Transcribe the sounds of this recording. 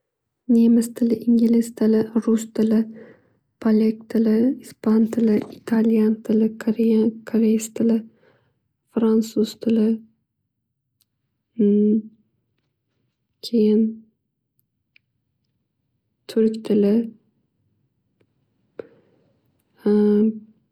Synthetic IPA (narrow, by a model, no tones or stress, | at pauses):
nemɪst̪ʰɪlɪʔɪŋɡʲɪlɪst̪ʰɪlɪɾʊst̪ʰɪlɪ | pʰolʲek̚t̪ʰɪlɪispʰant̪ʰɪlɪʔit̪ʰaljant̪ʰɪlɪkʰoɾejankʰoɾejst̪ʰɪlɪ | fɾansuzt̪ʰɪlɪ | kʲʰejɪn | t̪ʰʊɾkʲt̪ʰɪlɪ